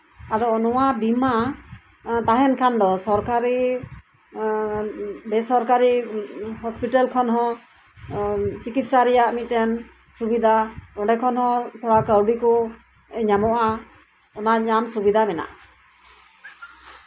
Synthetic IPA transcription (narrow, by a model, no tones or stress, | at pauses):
ad̪ɔnɔwabima | t̪aɦɛnkʰand̪ɔsɔɾkaɾi | bɛsɔɾkaɾihɔspiʈalkʰɔnɦɔ̃ | t͡ʃikit̪̚saɾɛjaʔmit̪̚tɛn | subid̪ʱaɾɔɖɛkʰɔnɦɔ̃t̪ʰɔɽakəwɖikɔ | ɲamɔʔa | ɔnaɲamsubid̪ʱamɛna̰ʔ